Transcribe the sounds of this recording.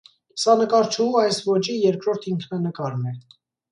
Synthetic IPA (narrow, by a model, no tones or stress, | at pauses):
sɑnəkɑɾt͡ʃʰumɑjsvɔt͡ʃijɛɾkɾɔɾt̪ʰiŋkʰnɑnəkɑɾmɛ